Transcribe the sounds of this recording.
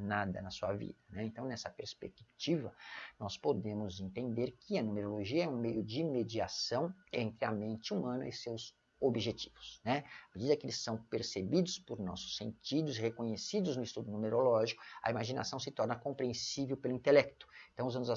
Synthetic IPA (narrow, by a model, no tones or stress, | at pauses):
nad̪ɐ̰nɐsuɐvḭd̪ɐnɛẽnt̪ɐ̃w̃nɛsɐpeɾspḛkkt͡ʃivɐnɔspod̪ẽmʊzẽnt̪ẽnd̪eɾkʰɪɐnũmeɾoloʒiɐɛũmejʊd͡ʒɪmed͡ʒiasɐ̃w̃ẽnt̪ɾɪɐmẽnt͡ʃɪumɐ̃nɐ̰ɪsewz | obiʒet͡ʃi̥vʊ̥snɛmed͡ʒid̪ɐkɪelɪsːɐ̃w̃peɾsebid̪ʊspʊɾnɔ̰sʊ̥sːḛ̃nt͡ʃid̪ʊshekõɲesid̪ʊznʊist̪ud̪ʊnũmeɾolɔʒikʊ̥ɐ̰imaʒina̰sɐ̃w̃sɪt̪ɔɾnɐkõpɾiẽsivewpelʊĩnt̪elɛk̚t̪ʊ̥eẽt̪ɐ̃w̃ʊzɐ̃nʊz